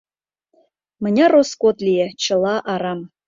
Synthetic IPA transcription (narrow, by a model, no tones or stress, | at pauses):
mɘ̆nʲɑroskot̪lʲijet͡ɕɤ̆lˠɑʔɑɾɑm